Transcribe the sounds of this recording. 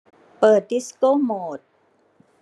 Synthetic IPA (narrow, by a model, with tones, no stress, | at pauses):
pɤː˨˩t̪̚di˦˥skoː˥˨moː˨˩t̪̚